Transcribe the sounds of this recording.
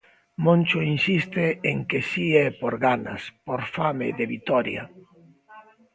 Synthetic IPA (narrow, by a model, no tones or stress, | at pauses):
mõnt͡ʃʊinsist̪eeŋkesiɛpoɾɣana̰spoɾfameðeβit̪ɔɾja̰